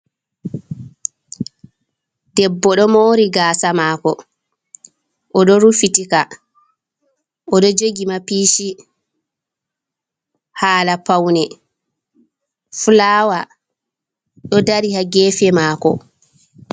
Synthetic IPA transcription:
dɛbːɔɗɔmoːɾiɡaːsamaːkɔ | ʔɔɗɔɾufitika | ʔɔɗɔd͡ʒoɡimapiːʃi | haːlapawnɛ | fulaːwa | ɗɔdaɾihaɡɛːfɛmaːkɔ̰

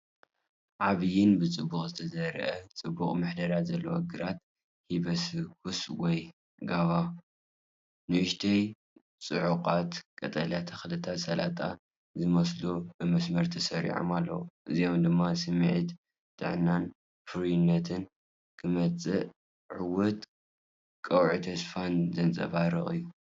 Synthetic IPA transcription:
ʕaβɨjɪnbɨt͡sʼɨbːuχʼzɨt̪ʰɐzɐɾɐ̰ʔɐt͡sʼɨbːuχʼmɨħd̪ɐɾat̪zɐlːɐwo̰ɡɨɾat̪̚ | hibɐskʰuswɔj | ɡaβa | nɨwɨʃt̪ʰɐj | t͡sʼɨʕuqʼat̪kʼɐt̪ʼɐljat̪ʰɐxɨlɨt̪ʰat̪sɐla̰t̪ʼa | zɨmɐslubɨmɐsmɐɾt̪ʰɐsɐɾḭʕo̰malːɐ̰wuʔɨzijo̞md̪ɨmːasɨmʕit̪ | t̪ʰʼɨ̰ʕnan | fɨɾjɪnːɐt̪ʰɨn | kʰɨmɐt͡sʼɨʔ | ʕɨwɔt̪ | kʼɐwʕit̪ʰɐsfanzɐnt͡sʼɐ̰βaɾɨ̰χʼɨjːu

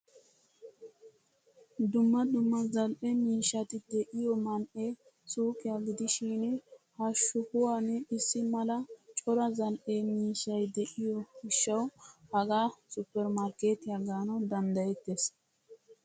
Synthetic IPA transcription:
d̪ʊmːɐd̪ʊmːɐzɐlʔɛmiːʃːɐt̪ɪd̪ɛʔɪjɔmɐnʔe | suːkɪjaɡɪd̪ɪʃiːnɛhɐʃʊhʊwanɛɪsːɪmɐlɐt͡ʃʼɔɾɐzɐlʔemiːʃɐjd̪ɛʔɪjɔɡɪʃːɐwhɐɡaːsʊpːɛɾmɐɾkeːt̪ɪjaɡaːnɐd̪ɐnd̪ɐjɛt̪ːes

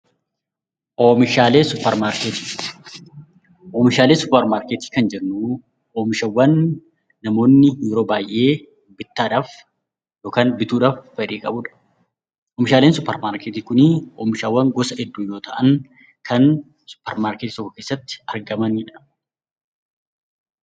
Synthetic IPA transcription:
ʔoːmɪʃaːle̞ːsʊpːɐɾmaːɾkeːt̪i̥ | ʔoːmɪʃaːle̞ːsʊpːɐɾmaːɾkeːt̪i̥ːkɐnd͡ʒɛnuː | oːmɪʃɐwːɐnː | ɐmo̞ːnːɪjuːɾo̞ːbaːjʔe̞ː | bɪt̪ːaːᶑaːf | jo̞ːkaːnbɪt̪uːᶑaːfːɛᶑiːkʼɐbʊᶑɐ̥ | ʔoːmɪʃaːleːnsʊpːɐɾmaːɾkeːt̪iːkʊnɪo̰ːmɪʃɐwːɐŋɡɔsɐɛd̪ːuːjo̞ːt̪ɐʔɐn | kʰɐn | sʊ̥pːɐɾmaːɾkeːt̪ːsɔkɔkeːsːɐt̪ːɪ̥ɐɾɡɐmɐnɪᶑɐɐ

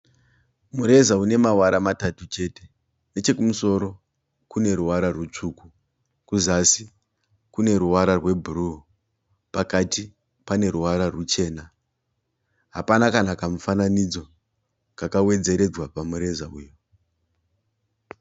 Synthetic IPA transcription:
muɾe̞zaune̞mawaɾamatatut͡ʃe̞te̞̥ | ne̞t͡ʃe̞kumuso̞ɾo̞ | kune̞ɾuwaɾarwut͡ʂuku | kuzasi | kune̞ɾuwaɾarwe̞bʱuru | pakati | pane̞ɾuwaɾarut͡ʃe̞ːna | ɦa̰panakanakamufananid͡zo̞ | kakawe̞d͡ze̞ɾe̞d͡zwapamuɾe̞zaṵːjo

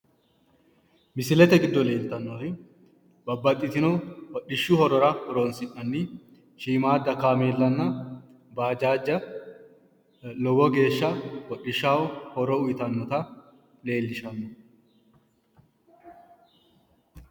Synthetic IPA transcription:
mɪsɪlɛt̪ɛɡɪd̪ːɔle̞ːlt̪ːɐnːoːɾɪ | bɐbːɐt̪ʼːɪt̪ɪnɔwɔɗɪʃːuhɔɾɔɾɐhɔɾoːnsɪnːɐnːi | ʃiːmaːd̪ɐkaːmeːlːɐnːɐ | baːd͡ʒaːd͡ʒːɐ | lɔɡɔɡe̞ːʃːɐwɔɗːɪʃːaːwɔhɔɾɔʊjɪt̪ɐnːɔt̪ɐ | le̞ːlːɪʃɐnːɔ

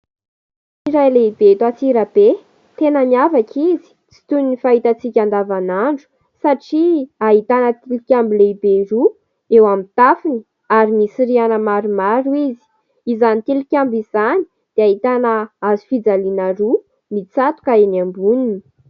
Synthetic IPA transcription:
iɾajleib̥et̪at͡siɾab̥e | t̪enəniavakʰizi̥t͡si̥t̪unnifaɦit̪at͡sikʲand̪avanaɳɖ͡ʐu̥ | saʈ͡ʂiaɦit̪anət̪ilikʲambileibeɾu | ewamit̪afini | aɾimisiɾianəmaɾimaɾizi̥ | izanit̪ilikʲambizani̥ | d̪̥eaɦit̪anəazi̥fid͡zalinaɾu | mit͡sat̪u̥kaenambunini̥

